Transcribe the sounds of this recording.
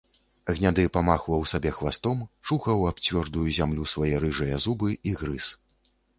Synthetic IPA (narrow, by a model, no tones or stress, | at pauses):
ɣnʲad̪ɨpamaxwɐwsabʲɛxvast̪ɔmt͡ʂuxɐwap̚t͡sʲvʲɔrd̪ujuzʲamlʲusvajɛɾɨʐɐjɐzubɨiɣɾɨs